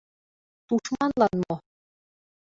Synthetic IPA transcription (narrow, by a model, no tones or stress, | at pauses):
t̪uʃmɑnlɑnmo